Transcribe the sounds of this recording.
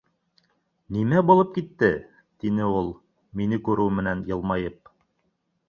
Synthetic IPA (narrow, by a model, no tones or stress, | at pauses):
nimæbulˠɤp̚kit̪ːɘ | t̪inɘulˠ | minɘkʉɾʔʉmɘ̆nænjɤ̆lˠmɑjɤp̚